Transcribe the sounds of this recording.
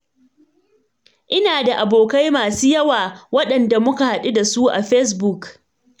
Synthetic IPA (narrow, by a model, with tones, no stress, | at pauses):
ʔɪ˦naː˨da˨ʔa˨boː˨ka˦jmaː˨suː˦jɐ˦waː˨wɐ˦ɗɐ˨nda˨mʊ˦ka˨ha˨ɗu˦da˨su˦ʔa̰˨ɸɛ˦s̬bu˦˨k